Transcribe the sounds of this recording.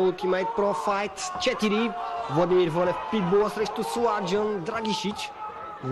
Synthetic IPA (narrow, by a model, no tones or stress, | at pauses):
ut̪imajt̪̚pɾɔfajt̪t͡ʃɛt̪iɾivɔd̪imiɾvɔnɛfpit̪̚bɔsɾeʃt̪usuaɾd͡ʒɔ̃nd̪ɾaɡiʃit͡ʃ